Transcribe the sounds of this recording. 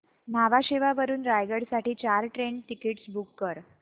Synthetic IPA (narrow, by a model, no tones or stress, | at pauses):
naʋaɕeʋaʋəɾuːnɾajɡəɽsaʈiːt͡ɕaɾʈɾeɳɖʈ̪ikeʈsbʱukːəɾ